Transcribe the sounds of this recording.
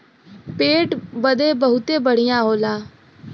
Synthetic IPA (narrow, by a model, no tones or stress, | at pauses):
peːʈbəd̪eːbəɦʊt̪eːbəɽijãːɦoːlãː